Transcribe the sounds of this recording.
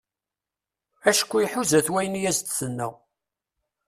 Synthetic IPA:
æʃə̥kʷːiħuzæθwæjənjæzt̪θənːə̰ʁ

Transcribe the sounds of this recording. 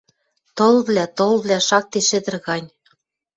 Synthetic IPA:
t̪olβlʲæt̪olβlʲæʃɑk̚t̪eʃĕd̪ɘ̆rɣɑnʲ

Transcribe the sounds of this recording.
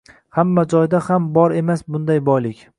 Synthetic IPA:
hamːad͡ʒɒjd̪ahambɒɾe̞masbʊnd̪ajbɒjlɪkʲ

